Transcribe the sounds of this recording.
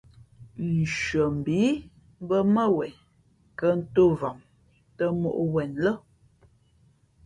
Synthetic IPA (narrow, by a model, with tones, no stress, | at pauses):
n̩˨ʃɥə˨m̩˨bi˨˦ | bə˦mə˦wɛ˨n | kə˦n̩˦to˦va˨ŋ | tə˦mo˦˨ʔwɛ˨nlə˦